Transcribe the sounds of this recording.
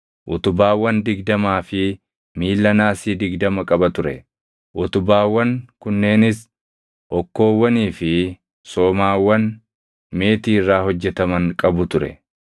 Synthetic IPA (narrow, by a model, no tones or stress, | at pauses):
ʔʊt̪ʊbaːwːɐnd̪ɪɡd̪ɐmaːfɪ | miːlːɐnaːsiːd̪ɪɡd̪ɐmɐkʼɐbɐt̪ʊɾɛ̰ | ʔʊt̪ʊbaːwːɐŋkʊnːe̞ːnɪs | ʔɔkːo̞ːwːɐniːfɪ | so̞ːmaːwːɐn | me̞ːt̪iːrːaːhɔd͡ʒːɛt̪ɐmɐŋkʼɐbʊt̪ʊɾɛ̰